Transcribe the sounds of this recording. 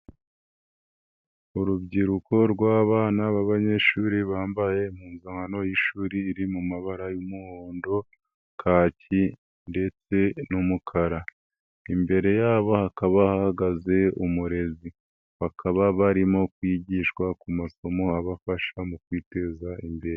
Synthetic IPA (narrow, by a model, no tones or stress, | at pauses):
uɾubɟiɾuko̞ɾɡwaːβaːnaβaβaɲe̞ːʃuːɾiβaːmbaje̞muːnzaŋano̞jiʃuːɾiːɾimumaβaɾajumuhoːndo̞ | kʰaːci | nde̞t͡se̞numukʰaɾa | imbe̞ɾe̞jaːβo̞hakaβahahaɡaze̞umuɾe̞zi | βakʰaβaβaɾimo̞kwiɟiʃkwakumaso̞mo̞aβafaʃamukwiːte̞zaʔimbeɾe